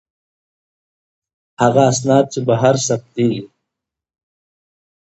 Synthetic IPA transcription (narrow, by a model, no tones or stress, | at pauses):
haɣaːs̬nɑːd̪̚t͡ʃebaɦaɾsab̚t̪ii